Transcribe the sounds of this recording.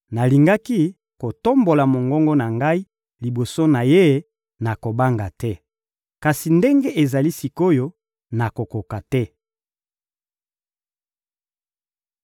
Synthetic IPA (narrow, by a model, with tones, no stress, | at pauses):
na˨li˨ŋɡa˦ki˦ | ko˨to˦mbo˨la˨mo˨ŋɡɔ˦ŋɡɔ˦na˨ŋɡa˦i˦ | li˨bo˨so˦na˨je˦ | na˨ko˨ba˦ŋɡa˨tɛ˦ | ka˨si˨nde˦ŋɡe˦ʔe˨za˨li˦si˨ko˦jo˦ | na˨ko˨ko˨ka˨tɛ˦